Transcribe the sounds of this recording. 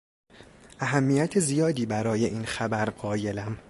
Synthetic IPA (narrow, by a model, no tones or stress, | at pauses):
ʔæɦæmːiːjæt̪ʰezijɒːd̪iːbæɾɒːje̞ʔiːnxæbæɾɢɒːje̞læm